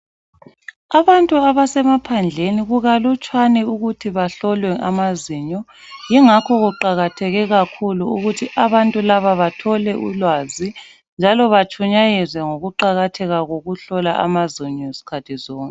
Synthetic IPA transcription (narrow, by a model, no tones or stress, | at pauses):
aβantʼuaβasɛmapʰand͡ɮʱeniɣuɣalut͡ʃʼwanɛuɣutʰiβaɬɔlwɛʔa̰maziɲɔ | jiŋakʰɔɣuǃaɣatʰɛɣɛɣakʰuluuɣutʰiʔaβantʼulaβaβatʰɔlɛʔṵlwazi | nd͡ʒʱalɔβat͡ʃʰʼuɲajɛzwɛŋoɣuǃaɣatʰɛɣaɣoɣuɬɔla̰ʔa̰maziɲɔesi̥kʰatʰizɔːŋkʼɛ